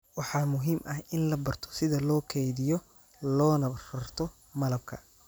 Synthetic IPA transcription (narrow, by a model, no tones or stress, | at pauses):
wɑħɑːmʊɦiːmʔɐhɪnlɐbɐrt̪ʰɔ̥sɪðɐlɔːkʰɛjðɪjɔ | lɔːnɐrɐrt̪ʰɔ | mɐlɐb̚kʰɐ